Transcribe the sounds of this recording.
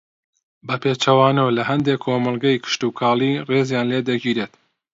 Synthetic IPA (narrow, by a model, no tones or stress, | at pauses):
bɐpʰet͡ʃɐwaːnolɐhɐnd̪ekʰoːmɐlˠɡɐjkʰɪ̥ʃt̪ukʰaːlireːzjaːnleːd̪ɐɡiːɾeːt̪